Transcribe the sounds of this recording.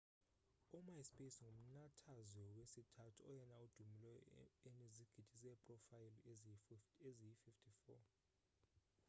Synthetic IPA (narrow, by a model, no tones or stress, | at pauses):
umajspʼesŋum̩natʰazwɛwesitʰatʰuɔjɛnaud̥ʱumilɛjɔ̰eniziɡ̥ʱid̥ʱisɛpʼrɔfajil | ezijififtʰifɔ̰